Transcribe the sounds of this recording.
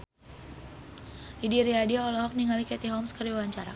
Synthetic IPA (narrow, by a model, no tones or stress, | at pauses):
lidiɾiadiaɔlɔɦɔk̚niŋalikɛt̪iɦɔmskəriwawaɲt͡ʃaɾa̰